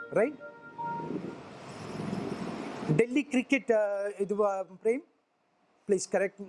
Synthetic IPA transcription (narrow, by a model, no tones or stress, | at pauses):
ɾaɪʈ̚ | ɖɛlːikɾɪkːɛʈɪd̪uʋapɾẽːm | pliːskɐɾɛk̚ʈ